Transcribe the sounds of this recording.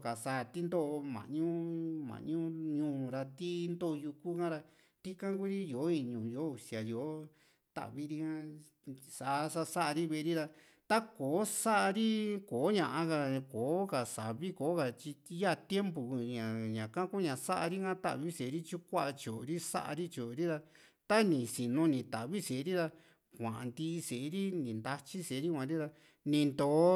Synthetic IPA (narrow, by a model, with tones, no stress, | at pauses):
ka˨sa˧˨t̪i˦nd̪o˦ʔo˧mã̰˨ɲũ˦mã̰˨ɲũ˦ɲũː˧˨ɾa˧t̪i˦nd̪o˦˧ju˧ku˦kã˦ɾa˧ | t̪i˦kã˦ku˦ɾi˦jo˨˦ĩ˧˨ɲũ˨jo˨˦u˨si˨a˨jo˨˦ | t̪a̰˨ʔβi˦ɾi˦˧kã˦ | sa˨ʔsa˦sa˦ʔa˧ɾi˦βe˧ɾi˦ða˧ | t̪a˦koː˨˦sa˦ʔa˧ɾi˦koː˨˦ɲã˧ʔã˧ka˧koː˨˦ka˨sa˨βi˦ko˨˦ka˨t͡ʃi˧˦ja˦˧˨t̪je˦mpu˨˧ɲã˨ɲã˨kã˦ku˦ɲã˨sa˦ʔa˧ɾi˦kã˦t̪a̰˦˨βi˦se˨˦ɾi˦t͡ʃu˦kʷa˦ʔa˧t͡ʃo˨ɾi˦sa̰˦ʔa̰˧ɾi˦t͡ʃo˨˧ɾi˦ða˧ | t̪a˦nĩ˨si˨nũ˧nĩ˨t̪a˨βi˦se˨˦ɾi˦ða˧ | kʷã̰˨ʔã˨nd̪i˦˧se˨˦ɾi˦nĩ˨nd̪a˧t͡ʃi˦se˨˦ɾi˦kʷã˨˦ɾi˦ða˧ | nĩ˧nd̪oː˨˦